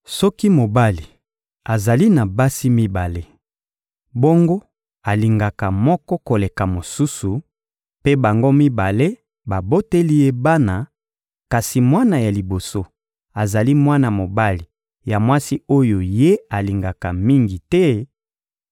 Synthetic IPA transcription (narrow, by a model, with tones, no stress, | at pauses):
sɔ˦ki˦mo˨ba˦li˨ | a˨za˨li˦na˨ba˦si˦mi˦ba˨le˦ | bo˦ŋɡo˦ | a˨li˨ŋɡa˨ka˨mɔ˦kɔ˦ko˨le˨ka˨mo˨su˦su˨ | pe˦ba˨ŋɡo˦mi˦ba˨le˦ | ba˨bo˦te˦li˦je˦ba˦na˨ | ka˨si˨mwa˦na˨ja˨li˨bo˨so˦ | a˨za˨li˦mwa˦na˨mo˨ba˦li˨ | ja˨mwa˦si˦o˦jo˨je˦a˨li˨ŋɡa˨ka˨mi˦ŋɡi˨tɛ˦